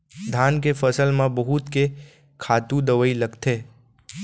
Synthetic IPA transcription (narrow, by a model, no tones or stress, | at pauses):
d̪ʱankefəsəlmãbəɦut̪ke | kʰat̪ũd̪əʋəiləɡt̪ʰe